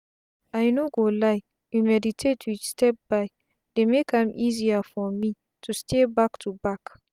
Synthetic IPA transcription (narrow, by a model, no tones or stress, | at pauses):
ajnoɡolaj | jumɛditʰetʰwistɛp̚baj | demekãmʔiziafɔmi | tʰustʰebaktʰubak